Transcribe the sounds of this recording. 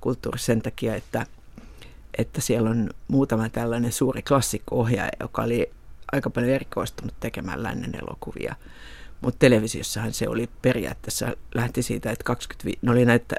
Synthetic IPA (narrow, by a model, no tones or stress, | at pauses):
kult̪ːuːrissent̪ɑkiɑet̪ːæ | ʔet̪ːæsielːonmuːt̪ɑmɑt̪ælːænensuːriklɑsːikːoohjɑ̰jo̰kɑoli | ʔɑikɑpɑljoerikoist̪unut̪t̪ekemæ̰llæ̰nːḛnḛlo̰kuʋḭɑ̰ | mut̪t̪eleʋisiosːɑhɑnseo̰liperiɑ̰t̪ːesːæ̰læht̪isḭːt̪æet̪kɑksky̥t̪ʋḭːneolinæit̪ː